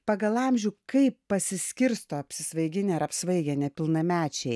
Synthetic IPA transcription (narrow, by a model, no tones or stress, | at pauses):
pɑɡɐlˠɑmʲʒʲuːkɐɪpːɐsʲɪsʲkʲɪɾst̪oːɐpʲsʲɪsʋɐɪɡʲɪnʲeɐɾɐpʲsʋɐɪɡʲɛnʲɛpʲɪlˠnɐmʲæːt͡ʃʲɛɪ